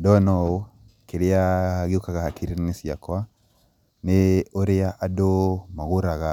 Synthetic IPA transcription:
dɔnɔo | keɾejaɡukaɣahakʰiɾinnisia̰kwa | neoɾeaʔadomaɣuɾaɣa

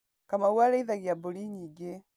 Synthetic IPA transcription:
kamawalɛiðaɣjaboliɲiɡe

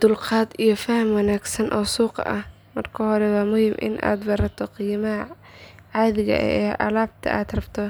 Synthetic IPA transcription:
d̪ʊlqɑːd̪ijɞfɐhɐmwɑnaːɡsɐnʔɔːsuːqʔɐh | mɐrkʰɐhɔɾɛwɑːmʊhiːmʔɪ̰nʔa̰ːd̪bɐɾɐt̪ʰɔqiːmɐɦɐ | ʕaːðɪɣɐ̰ʔɛːʔɐ̰laːb̚t̪ʰɐ̰ʔaːd̪rɐbt̪ʰɔ

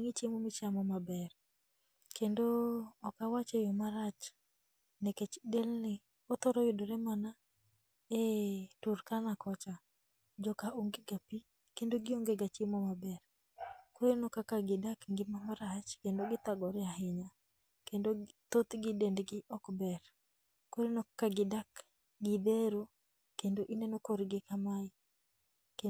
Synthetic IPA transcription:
ŋɪt͡ʃemomɪt͡ʃamɔmabɛr | kendoːkawat͡ʃejɔmaɾat͡ʃ | neket͡ʃdelnɪ | ot̪ɔɾɔjɪdoɾɛmana | eturkanakɔt͡ʃa | d͡ʒɔkaʔoŋɡeɡapi | kendoɡɪoŋɡeɡat͡ʃemomabɛr | koɾenɔkakaɡɪdakŋɡɪmamaɾat͡ʃkendoɡɪt̪aɡɔɾɛaɦɪɲa | kendot̪ot̪ɡɪdendɡɪʔɔkbɛr | koɾenɔkakaɡɪdak | ɡɪd̪eɾo | kendoʔinenokoɾɡɪkamaɪ | k

